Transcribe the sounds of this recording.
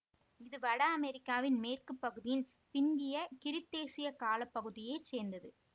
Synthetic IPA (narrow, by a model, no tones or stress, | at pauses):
ɪðɯʋɐɽɐɐmɛɾɪkːaːʋɪnmeːrkɯpːɐɣɯðɪjɪn | pɪnɡɪjɐkɪɾɪt̪ːeːsɪjɐkaːlɐpːɐɣɯðɪjeːt͡ʃeːɾnd̪ɐðɯ